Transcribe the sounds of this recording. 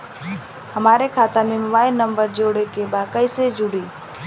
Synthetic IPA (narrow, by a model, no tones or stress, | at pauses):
həmaːɾekʰaːt̪amẽmʊbaːɪlnːəmbəɾd͡ʒoːɽekebaːd̪̚kəised͡ʒʊɽiː